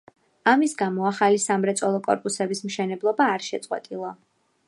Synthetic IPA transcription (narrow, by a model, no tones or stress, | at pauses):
amisɡamɔaχalisamɾɛt̪sʼɔlˠɔkʼɔ̰ɾpʼusɛbismʃɛnɛblˠɔbaːɾʃɛt̪sʼqʼwɛ̰t̪ʼilˠɔ